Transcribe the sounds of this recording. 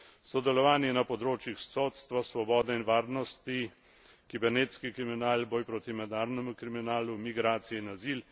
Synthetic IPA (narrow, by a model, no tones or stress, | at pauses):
sɔd̪ɛlɔʋaːnjɛnapɔd̪ɾoːt͡ʃjixsoːt̪st̪ʋasʋɔbɔːd̪ɛinʋaːɾnɔst̪i | kibɛɾnet̪skikɾiminaːlbɔːjpɾoːt̪imɛd̪naːɾnɛmukɾiminaːlumiɡɾaːt̪sijɛinazil